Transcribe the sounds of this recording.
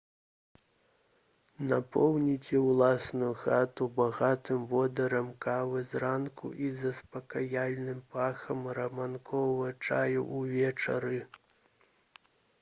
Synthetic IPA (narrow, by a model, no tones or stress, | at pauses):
napʰɔwnʲit͡sʲɛwlˠasnujuxat̪ubaɣat̪ɨmvɔd̪ɐɾɐmkavɨzrankṵʔizɐspɐkajalʲnɨmpaxɐmɾɐmankʰɔvɐɐt͡ʂajṵʔuvʲɛt͡ʂɐ̰ɾɨ